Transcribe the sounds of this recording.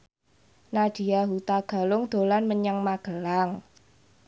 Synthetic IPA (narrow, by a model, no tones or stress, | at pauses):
nad̥i̤jaɦut̪aɡ̥a̤lʊŋd̪̥o̤lanməɲaŋmaɡ̥ə̤laŋ